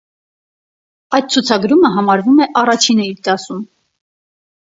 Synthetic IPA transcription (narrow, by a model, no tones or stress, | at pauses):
ɑjd̪̚t͡sʰut͡sʰɑɡɾuməɦɑmɑɾvumɛʔɑrɑt͡ʃʰinəiɾd̪ɑsum